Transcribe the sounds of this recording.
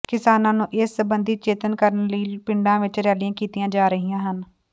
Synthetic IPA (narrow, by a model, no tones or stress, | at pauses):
kɪsaːnãːnũːʔɪsəbənd̪iːt͡ʃeːt̪ənkəɾənləiːpɪɳɖãːʋɪt͡ʃɾɛːlɪjãːkiːt̪ɪjãːd͡ʒaːɾəɦijãːɦən